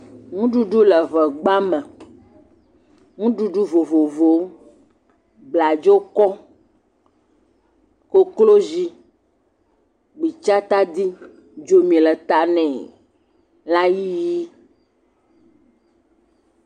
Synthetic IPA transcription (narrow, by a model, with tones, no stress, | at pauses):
ŋũ˦ɖu˦ɖu˦lɛ˨vɛ˨ɡ͡ba˦mɛ̃˨ | ŋũ˦ɖu˦ɖu˦vo˨vo˨vo˨ | ɡ͡bla˨d͡ʒo˦kɔ˦ | ko˦klo˦zi˦ | ɡ͡bi˨t͡ʃa˦t̪a˦d̪i˦ | d͡ʒo˦mĩ˨lɛ˨t̪a˦nɛ̃˨ | la˦ji˦ji˦